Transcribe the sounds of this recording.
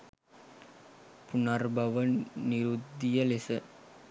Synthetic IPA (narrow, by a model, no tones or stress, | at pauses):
punɐrbʱɐʋɐniɾud̪ːijɐlesɐ